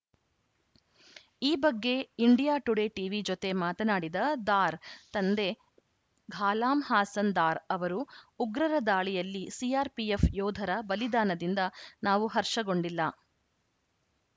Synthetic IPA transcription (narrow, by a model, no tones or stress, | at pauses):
iːbɐɡːe̞iɳɖijaːʈuɽe̞ʈiːʋid͡ʒot̪e̞maːt̪ɐnaːɽid̪ɐd̪aːɾt̪ɐnd̪e̞ | ɡʱaːlaːmhaːsɐnd̪aːɾɐʋɐɾuːɡɾɐɾɐd̪aːɭijɐlːisiaːɾpiefjɔːd̪ʱɐɾɐbɐlid̪aːnɐd̪ind̪ɐnaːʋuɦɐɾʂɐɡo̞ɳɖilːɐ